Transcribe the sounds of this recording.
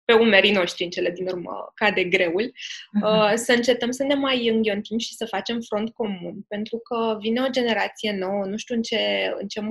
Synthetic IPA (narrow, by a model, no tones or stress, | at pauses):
pe̞ume̞ɾino̞ʃt̪ɾiɨnt͡ʃe̞le̞d̪inurmə̰kad̪e̞ɡɾe̞ulʲəsəɨnt͡ʃe̞t̪əmsəne̞majɨŋɡʲo̞nt̪imʃi̥səfat͡ʃe̞mfɾo̞nt̪̚ko̞munpe̞nt̪ɾukəvine̞od͡ʒe̞ne̞ɾat̪sije̞no̞wənuʃt̪juɨnt͡ʃe̞ɨ̰nt͡ʃe̞m